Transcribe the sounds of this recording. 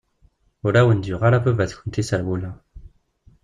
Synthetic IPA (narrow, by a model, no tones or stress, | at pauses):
olawɛnd̪yʁalapøvɛt̪kʰɔ̃nt̪ʰesalwula